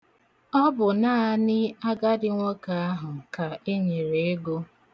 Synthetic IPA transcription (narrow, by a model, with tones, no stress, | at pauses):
ɔ˦bʊ˨naː˦nɪ˦a˦ɡa˦dɪ˦ŋʷɔ˦ka˨a˦ɦʊ˨ka˨e˦ɲe˨ɾe˨e˦ɡo˦